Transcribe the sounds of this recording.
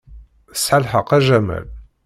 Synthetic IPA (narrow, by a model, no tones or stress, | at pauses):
sħalħəqæʒæmæ̰l